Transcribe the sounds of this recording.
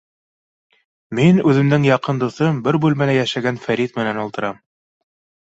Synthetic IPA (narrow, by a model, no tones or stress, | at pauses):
minʉðɘ̆md̪ɘŋjɑqɤnd̪uθɤmbɘɾbʉlmælæjæʃæɡænfæɾit̪mɘ̆nænŏlˠt̪ɤ̆ɾɑm